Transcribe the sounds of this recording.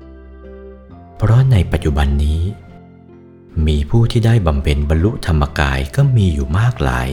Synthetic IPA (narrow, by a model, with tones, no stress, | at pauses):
pʰɾɔ˦˥na˧jpa˨˩t̪̚t͡ɕu˨˩ba˧nːiː˦˥ | miː˧pʰuː˥˩t̪ʰiː˥˩daː˥˩jba˨˧mpʰe˧nba˧nlu˦˥t̪ʰa˧mːa˧ka̰ː˧jkɔː˥˩miː˧juː˨˩maː˥˩k̚la̰ː˩˦j